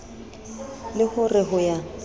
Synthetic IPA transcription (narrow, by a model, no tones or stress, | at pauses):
lɪhʊrɪɦʊja